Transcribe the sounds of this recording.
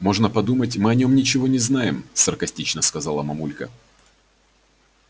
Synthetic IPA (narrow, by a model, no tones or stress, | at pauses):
mo̞ʐnəpɐd̪umətʲmɨɐnʲo̞mnʲɪt͡ɕɪvo̞nʲɪznajɪmsərkɐsʲtʲit͡ɕnəskɐzalˠəmɐmulʲkə̰